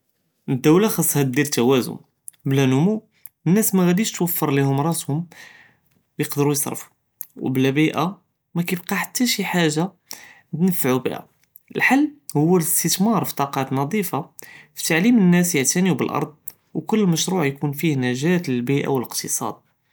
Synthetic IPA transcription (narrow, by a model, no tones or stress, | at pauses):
nəd̪ːæwlaxɑsˤːhæd̪iɾt̪ːæwæzʊ̰n | blænʊmu | ənːæsmæɣæd̪iʃt̪wəfːəɾˤlihʊmɾˤɑt̪hʊm | wjəqd̪əɾujəsˤɾ̰ˤfu̥ | wblæbiʔa | mækæjbqɑħat̪ːæʃiħaʒːa | nəfːʕubḭʔæ̰ | əlħalːhʊwːələst̪ət̪mɑɾˤfi̥t̪ˤɑqɑt̪nɑd̪ˤifafi̥t̪aʕlimənːæsjəʕt̪æniwbəlʔɑ̰ɾˤd̪̚ˤ | wkʊlːməʃɾuʕjkunfihnæʒæt̪ləlbiʔa̰wələqt̪ʰəsˤɑ̰d̪̚